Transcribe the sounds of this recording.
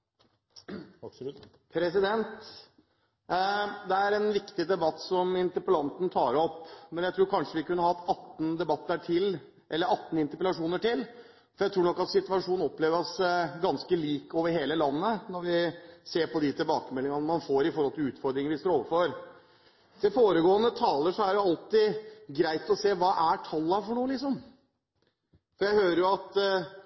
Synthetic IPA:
pʰɾɛsɪd̪ɛnt̪ | d̪ɛæɾɛnʋɪkt̪ɪd̪ɛbɑt̪ːsɔmɪnt̪əɾpəlɑnt̪nt̪ʰɑːɾɔpːmɛnjæɪt̪ɾuːɾkʰɑnʂəʋɪkʰʉnːəhɑːt̪ɑt̪n̩d̪ɛbɑt̪ːəʈʰɪl | ʔɛlːəɾɑt̪ːn̩ɪnt̪əpəlɑʂuːnəʈɪl | fɔɾjæɪt̪ʰɾuːnɔkːɑt̪sɪt̪ʉʋɑʂuːn̩ɔpːleːʋəɾɔsɡɑnskəliːkoːʋəɾɦeːləlɑnːənɔɾʋɪseːɾpɔd̪ɪt̪ʰɪlbɑːkəmɛlːɪŋɑnəmɑnfoːɾɪfɔɾhɔlt̪ʰɪlʉːt̪fɔɾd̪ɾɪŋəʋɪst̪oːoːʋəɾfɔɾ | d̪̥ɛfoːɾəɡoːənət̪ʰɑːləʂɔæɾjʊɑlt̪ɪɡɾæɪt̪ɔseːʋɑːʔæʈʰɑlːɑfɔɳuːəlɪks̬ɔm | fɔɾjæɪhøːɾəɾjʊɑt̪

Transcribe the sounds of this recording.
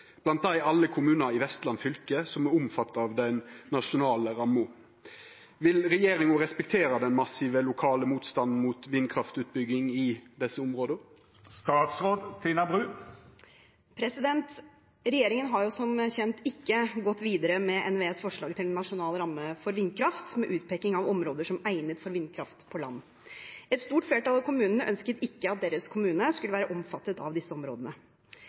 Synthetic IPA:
b̥lɑnt̪̚d̪æɪʔɑlːəkʰʊmʉːnəɾɪʋɛst̪lɑnfʏlkəsɔmɛʊmfɑt̪ːɑʋd̪ɛnːɑʂʊnɑːləɾɑmːʊ | ʋɪlɾɛjeːɾɪŋʊɾɛspɛkt̪ʰeːɾɑd̪ɛnmɑsiːʋəlʊkʰɑːləmuːt̪st̪ɑnn̩muːt̪ʋɪnkʰɾɑft̪ʉːt̪̚bʏɡɪŋɪd̪ɛsːəʊmʁoːd̪ə | st̪ɑːt̪sʁoːd̪t̪ʰiːnɑbʁʉː | pʰɾɛsɪd̪ɛnt̪ | ɾɛjeːɾɪŋənɦɑɾjʊsɔmçɛnt̪ɪkːəɡɔt̪ːʋiːd̪əɾəmɛʔɛnʋeːsfɔʂɭɑːɡ̚t̪ʰɪlnːɑʂʊnɑːləɾɑmːəfɔɾʋɪnːkʰɾɑft̪mɛʔʉːt̪̚pʰɛknɪŋɑʋɔmɾoːd̪əʂɔmæɪnət̪fɔɾʋɪnkʰɾɑft̪pʰɔlɑ̰nː | ɛt̪st̪uːʈfleːʈɑlɑʋkʰʊmʉːnənəʔœnskət̪ɪkːəɑt̪̚d̪eːɾəskʰʊmʉːnəskʉləʋæːɾəʔɔmfɑt̪ːət̪ɑʋd̪ɪsːəɔmɾo̰ːd̪ənə

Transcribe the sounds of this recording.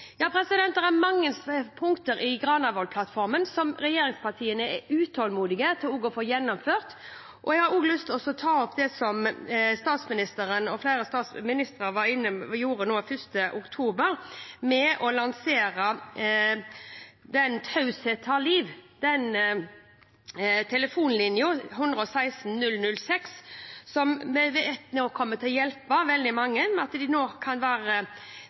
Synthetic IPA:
jɑːpʰɾɛsɪd̪ɛnt̪̚d̪ɛɾæmɑŋːənspʰʊŋkt̪əɾɪɡɾɑːnɑʋɔlpʰlɑt̪ːfɔɾmənsɔmɾɛjeːɾɪŋspʰɑʁt̪ʰiːənəɛʉːt̪ʰoːlmuːd̪ɪɡət̪ʰɪlʊɡɔfoːjɛnːɔmføːʁt̪ | ʔɔɛɡhɑɾuːɡlʏst̪ʰɔsɔt̪ʰɑːɔpd̪ɛsɔmst̪ɑːt̪smɪnɪst̪əɾənɔflæɪɾəst̪ɑːt̪smɪnɪst̪ɾɑʋɑɾɪnːəjuːɾənoːfʏst̪əʔʊkt̪ʰuːbəɾmɛʔɔlɑnseːɾə | d̪ɛnt̪ʰɑʉsɛt̪ʰɑliːʋd̪̥ɛn | t̪ʰɛləfuːnlɪnjʊɦʉnd̪ɾəɔsæɪsn̩nʉlnʉlːsɛkssɔmmɛʋɛt̪noːkʰɔmːət̪ʰɪljɛlpɑʋɛld̪ɪmɑŋːəmɛɑt̪d̪ɪnoːkʰɑnʋæːɾə

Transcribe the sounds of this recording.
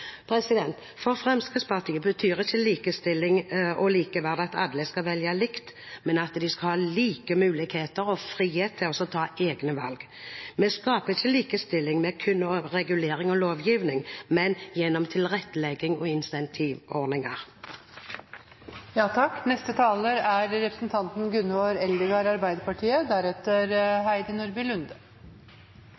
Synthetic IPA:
pʰɾɛsɪd̪ɛnt̪ | fɔʁfʁɛmskəspʰɑʁt̪ʰiːəbət̪ʰyːʁɪçːəliːkəst̪ɪlːɪŋʔɔliːkəʋæʁd̪ɑt̪ʰɑ̰d̪ləskɑʋɛljɑlɪkt̪ | mɛnɑt̪d̪ɪskɑhɑːliːkəmʉːlɪɡheːt̪əɾɔfʁiːheːt̪ʰːɪlɔsɔt̪ʰɑːʔeːɡnəʋɑ̰lɡ | mɛskɑːpəɪçːəliːkəst̪ɪlːɪŋmɛkʰʉnːɔʁɛɡʉleːʁɪŋɔloːʋjiːʋnɪŋmɛnjɛnːɔmt̪ʰɪlʁɛt̪ːəlɛɡɪŋɔɪnsɛnt̪ʰiːʋɔʁnɪŋɑʁ | jɑːt̪ʰɑkːnɛst̪ət̪ʰɑːləɾæɾɾɛpɾəsn̩t̪ʰɑnt̪n̩ɡʉnːəoːɾɛld̪ɪɡɑɾɑɾbæɪd̪əpɑʈʰiːəd̪æɾɛt̪əɾɦæɪd̪ənʊɾbɪlʉnd̪ə

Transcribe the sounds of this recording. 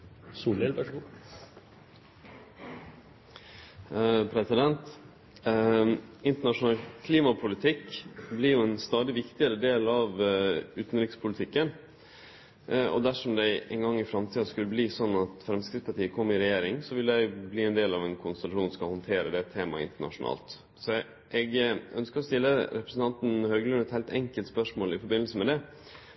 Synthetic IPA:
suːlɛlʋæʂɡu | pʰɾɛsɪd̪ɛnt̪ | ɪnt̪əɳɑʂʊnɑːlkʰliːmɑpʰʊlɪt̪ʰɪkblɪɾjʊɛnst̪ɑːd̪ɪʋɪkt̪ɪəɾəd̪eːlɑʋʉːt̪n̩ɾɪkspʰʊlɪt̪ʰɪkːən | ɔ̰d̪æʂɔmd̪æɪʔɛŋɡɑŋːɪfɾɑmt̪ʰiːɑskʉlːəbliːsɔnːɑt̪fɾɛmskɾɪfspɑʈiːəkʰɔmːɾɪɾɛjeːɾɪŋsɔʋɪld̪æɪbliːɛnd̪eːlɑʋɛnkʰʊnst̪əlɑʂuːnskɑhɔnt̪ʰeːɾəd̪ɛt̪ʰːeːmɑ̰ɪ̰nt̪əɳɑ̰ʂʊnɑ̰ːlt̪ | sɔ | ʔɛɡœnskəɾɔst̪ɪlːəɾɛpɾəsn̩ʰɑnt̪n̩høːɡəlʉnɛt̪hæɪlt̪ʰɛŋkəlt̪spœʂmoːlɪfɔɾbɪnl̩səmɛd̪ɛ

